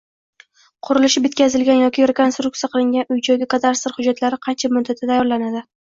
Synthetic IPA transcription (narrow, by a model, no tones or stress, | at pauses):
qʰʊɾɪlɪʃɪbet̪̚kʲʰazɪlɡʲanjɒkʲɪɾekonst̪ɾʊk̚t̪ijaqʰɨlˠɪŋɡʲanʊjd͡ʒɒɡʲɪkʰat̪ʰaɾst̪ɪɾhʊd͡ʒːat̪laɾɪqʰɑnt͡ʃʰamʊd̪ːat̪ʰat̪ʰajɒɾlanad̪ɪ